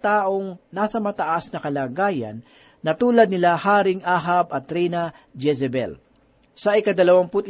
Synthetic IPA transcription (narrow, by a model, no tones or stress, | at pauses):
t̪aːʔoŋnaːsɐmɐt̪ɐʔasnɐkɐlaːɡaːjɐ̰nː | ɐt̪uːlɐd̪̚nɪlahaːɾɪŋʔaːɦabɐt̪ːɾɛjnɐ | d͡ʒɛsɛbɛ̰l | sɐʔɪkɐd̪ɐlɐwaŋpʊt̪